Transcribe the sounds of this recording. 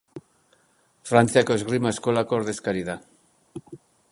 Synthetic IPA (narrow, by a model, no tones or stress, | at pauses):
fɾanθjakozɣɾimaeskolakoɾðeskaɾiða